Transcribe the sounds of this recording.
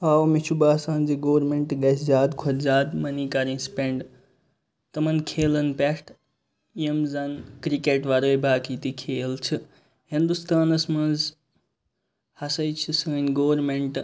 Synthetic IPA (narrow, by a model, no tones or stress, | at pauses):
aːwmit͡ʃʰubaːsaːnziɡoːɾmeɳʈɡɐsʰzaːd̪kʰɐɾzaːd̪mɐniːkɐɾĩːspʲeɳɖ | t̪ɐmɐnkʰeːlɐnpesʈ | iemzɐnkɾikeʈʋɐɾoːjbʱaːkiːt̪ikʰeːlt͡ʃʰɨ | hĩnd̪ust̪aːnɐsmɐnz | hɐsɐjt͡ʃʰisəːnʲɡoːɾmeɳʈ